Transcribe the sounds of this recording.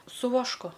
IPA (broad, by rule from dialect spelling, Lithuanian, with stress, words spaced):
sʊ ʋɐʃˈkʊ